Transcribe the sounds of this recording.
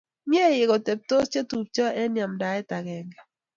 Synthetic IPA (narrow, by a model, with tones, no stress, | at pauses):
ɲje˦˨jɪ˨ɣɔ˨te˨p̚to˦st͡ʃe˦tu˨p̚t͡ʃɔ˦ɛ˦nja˨mda˨ɛ˦ta˨ɡɛ˨ŋɡa˨